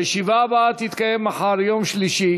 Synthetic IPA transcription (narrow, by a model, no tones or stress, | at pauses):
eʃivaːbaat̪hit̪kajemaχaɾjo̞mʃliʃi